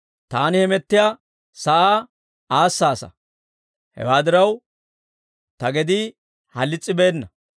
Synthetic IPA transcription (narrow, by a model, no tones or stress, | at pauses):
t̪aːnɪhɛmɛt̪ːɪja | sɐʔaː | aːsːaːsɐ̰ | hɛ̰waːd̪ɪɾɐw | t̪ɐɡɛd̪i | hɐlːɪt͡sʼːɪbe̞ːnːɐ